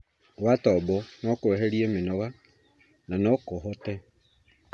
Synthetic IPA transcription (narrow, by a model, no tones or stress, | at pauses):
watɔbɔnɔkueɦeɾiemɪnɔɣa | nanɔkʊɦɔtɛ